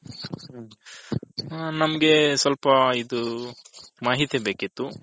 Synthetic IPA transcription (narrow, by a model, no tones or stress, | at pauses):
nɐmɐɡe̞sɐlpɐid̪u | maːɦit̪jɐbe̞ːkit̪ːu